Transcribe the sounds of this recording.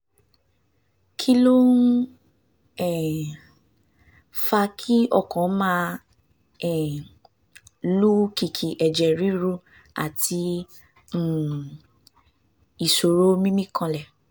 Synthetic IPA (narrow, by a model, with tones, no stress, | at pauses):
kʰi˦lo˦ | ɛ˨ | fa˧kʰi˦ɔ˦˨kã˨˦mãː˦˧ | ɛ˨ | lu˦ki˨kʰi˨ʔɛ˨d͡ʒɛ˨ɾi˦ɾu˧˦ | a̰˨tʰĩ˧˨ | i˨so˨ɾo˨˦mĩ˦mĩ˦kʰã˧lɛ˨